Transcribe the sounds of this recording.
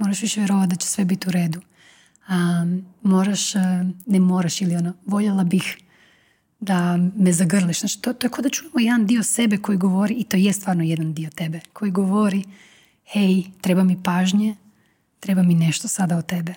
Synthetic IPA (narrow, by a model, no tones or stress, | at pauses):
mo̞ɾaʃʋiʃeʋjeɾoʋat̪̚d̪at͡ɕe̥sʋe̞bit̪iuɾe̞ːd̪u | amo̞ːɾaʃnemo̞ːɾaʃilio̞noʋo̞ʎelˠabix | d̪amezaɡr̩liʃzaːt͡ʃi̥t̪ot̪ojekod̪at͡ʃunamojed̪and̪iose̞beko̞jiɡo̞ʋoɾiːt̪o̞jest̪ʋaːɾnojed̪and̪iot̪e̞bekʰo̞jiɡoʋoɾi | hejt̪ɾe̞bamipaːʒɲe | t̪ɾe̞bamine̞ʃt̪osad̪aot̪e̞be